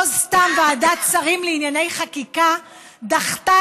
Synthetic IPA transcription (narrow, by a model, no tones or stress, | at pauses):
ostambaːdatt͡saʁimleinjane̞jχakika | daχta